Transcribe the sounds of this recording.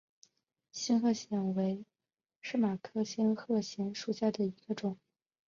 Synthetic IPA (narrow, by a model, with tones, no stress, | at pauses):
ɕi˥nxɤ˥˩ɕjɛ˧˥nwe˧˥ɪ | ʂɻ̩˥˩ma˨˩kʰɤ˥ɕi˥nxɤ˥˩ɕjɛ˧˥nʂu˨˩ɕja˥˩d̪ə˩i˧˥ɡ̥ə˧ʈ͡ʂʊ˨˩˦ŋ